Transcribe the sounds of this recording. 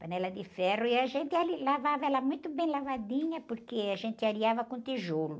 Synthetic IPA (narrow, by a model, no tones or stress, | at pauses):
pɐnɛlɐd̪ɪfɛrʊiaʒẽnt̪ɪalilavavɐɛlɐmũj̃t̪ʊbẽj̃lavad̪ĩɲɐpoɾkeaʒẽnt̪ɪaɾiavɐkõt̪iʒolʊ